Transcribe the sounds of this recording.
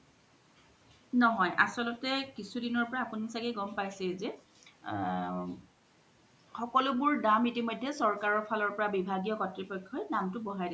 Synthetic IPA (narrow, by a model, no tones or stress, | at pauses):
nɔɦɔjʔa̰sɔlɔtɛkisudinɔɹpɔɹaːpunisaɡɛɡɔmpajsɛzɛ | xɔkɔlʊbʊɹdamitimɔjdʱːɛsɔɹkaɹɔɹpʰalɔɹpɔɹabibʱaɡiɔkɔtɹipɔjkʰːɔjdamtʊbɔɦajdi